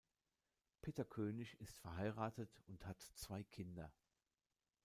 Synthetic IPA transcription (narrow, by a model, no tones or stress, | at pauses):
pʰeːtɐkʰøːnɪçɪstfɛɐɦaɪʁaːtətʊnthatt͡sv̥aɪkʰɪndɐ